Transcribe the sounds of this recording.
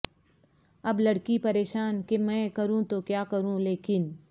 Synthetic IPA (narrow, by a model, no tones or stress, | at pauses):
ɐblɐɽkipɐɾeːʃaːnkemɛ̃ːkɐɾũt̪okjaːkɐɾũleːkɪn